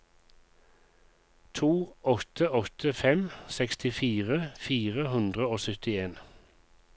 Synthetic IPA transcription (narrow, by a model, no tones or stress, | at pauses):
t̪ʰuːɔt̪ʰəɔt̪ʰəfɛmsɛkst̪ɪfiːʁəfiːʁəhʉnd̪ʁəoːsʏt̪ɪeːn